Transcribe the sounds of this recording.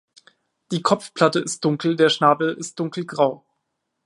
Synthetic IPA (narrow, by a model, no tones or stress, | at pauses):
d̥iːkʰɔp͡fpʰl̥atəɪst̚d̥ʊŋkl̩deːɐʃnaːbl̩ɪst̚d̥ʊŋkl̩ɡʁaʊ